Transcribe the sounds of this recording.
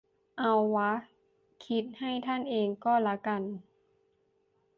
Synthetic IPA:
ʔa˧wːa˦˥ | kʰi˦˥t̪̚ha˥˩jt̪ʰa˥˩nʔeː˧ŋkɔː˥˩la˦˥ka˧n

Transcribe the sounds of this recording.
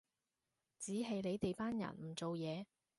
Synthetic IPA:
t͡siː˨˥ɦɐ˨jle˨˧jt̪e˨jpaː˥njɐ̰˨˩nm̩˨˩t͡so˨wjɛː˨˧

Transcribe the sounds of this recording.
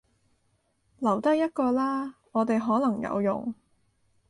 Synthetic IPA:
lɐ˨˩wt̪ɐ˥k̚jɐ˥t̚kɔː˧laː˥ŋɔː˨˧t̪e˨jɦɔː˨˥lɐ˨˩ŋjɐ̰˨˧wjʊ̰˨˩ŋ

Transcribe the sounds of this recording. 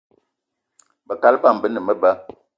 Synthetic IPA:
bə˨ka˦lpa˦˨m˨bə˦nə˨mə˦ba˦

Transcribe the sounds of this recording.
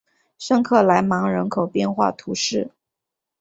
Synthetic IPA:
ʂɤ˥˧ŋkʰɤ˥˩la˧˥ɪmɑ˧˥ŋɻə˧˥nkʰo˨˩ʊpjɛ˥˧nxwa̰˥˩t̪ʰu˧˥ʂɻ̩˥˩

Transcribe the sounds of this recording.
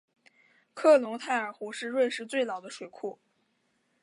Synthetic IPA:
kʰɤ˥˩lʊ˧˥ŋt̪ʰa˥˩ɪə˞˨˩xu˧˥ʂɻ̩˥˧ɻwe˥˧ɪʂɻ̩˥˧t͡swe˥˩ɪlɑ˨˩ʊd̪ə˦ʂwe˨˩ɪkʰu˥˩

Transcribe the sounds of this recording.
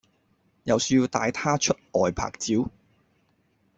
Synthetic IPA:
jɐ˨wsy˧ji˧wt̪a̰ː˨˧jt̪ʰaː˥t͡ʃʰɵ˥t̚ʔɔː˨˩jpʰa̰ː˨˩k̚t͡siː˨˥w

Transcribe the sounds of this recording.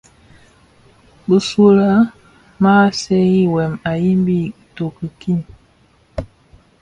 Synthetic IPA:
bə˨su˦la˦ | ma˦sɛ˦ji˦wɛ˨ma˨ji˦mbi˦to˨kə˨ki˦˨n

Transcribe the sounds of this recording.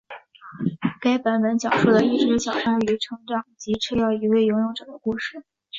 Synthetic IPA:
ka˥ɪpa˧˥npə˧˥nt͡ɕjɑ˨˩ʊʂu˥˩d̪ə˩i˥˩ʈ͡ʂɻ̩˧˥ɕjɑ˨˩ʊʂɑ˥ŋ˥y˧˥ʈ͡ʂʰɤ˧˥ŋʈ͡ʂɑ˨˩˦ŋt͡ɕi˧˥ʈ͡ʂʰɤ˥˧jɑ˥˩ʊi˧˥we˥˩ɪjʊ˧˥ŋjʊ˥˩ŋʈ͡ʂɤ˨˩d̪ə˦ku˥˧ʂɻ̩˨˩

